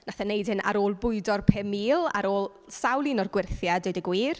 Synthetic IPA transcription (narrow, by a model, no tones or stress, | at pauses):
naθanejd̥hɨna̰ɾoːlˠbʊɨdɔrpʰemiːlˠa̰ɾoːlˠ | sawlˠinɔrɡwɪrθjadɪdəɡwiːr